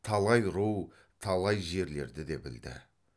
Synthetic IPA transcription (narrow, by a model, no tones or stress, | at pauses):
t̪ʰɑlˠɑjɾuw | t̪ʰɑlˠɑjʒe̞ɾle̞̰ɾd̪ɪd̪e̞bɪld̪ɪ̰